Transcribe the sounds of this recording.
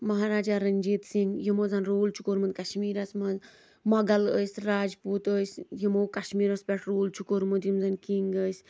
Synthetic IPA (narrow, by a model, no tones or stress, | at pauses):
mɐɦaːɾaːd͡ʒaːɾɐnʲd͡ʒiːt̪siŋɡjimoːzanɾoːlt͡ʃʰu̥koːɾmənd̪kɐʃmiːɾɐsmɐnz | mɐɡɐləːsʲɾaːd͡ʒpuːt̪əːsʲjimoːkɐʃmiːɾɐspʲɛʈʰɾoːlt͡ʃʰukoːɾmɐnt̪jimzankiŋɡəːsʲ